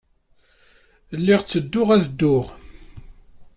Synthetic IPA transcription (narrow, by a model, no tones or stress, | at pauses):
lːiʁt͡sːəd̪ːʊʁæðd̪ːʊʁ